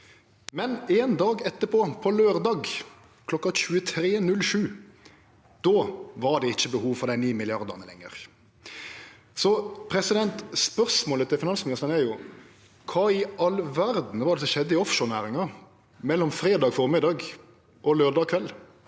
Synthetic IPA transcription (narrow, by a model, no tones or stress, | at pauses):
mɛneːnd̪ɑːɡɛt̪ːəpʰɔpʰɔløːɾd̪ɑːɡ | kʰlɔkːɑɕʉːət̪ʰɾeːnʉlʂʉː | d̪̥oːʋɑɖ̪ɛɪçːəbəhuːʋfɔɾd̪æɪniːmɪlɪɑʁd̪əʁnəlɛŋːə̰ɾ | sɔpʰɾɛsɪd̪ɛnt̪spœɾsmoːlət̪ʰɪlfɪnɑnsmɪnɪst̪ənæɾjʊ | kʰɑːɪɑlʋæɾd̪n̩ʋɑɾd̪ɛsɔʃɛd̪ːəɪɔfʃɔɾnæːɾɪŋɑ | mɛlːɔmfɾeːd̪ɑːɡfɔɾmɪd̪ɑːɡ | ʔɔløːɾd̪ɑːkʰʋɛlː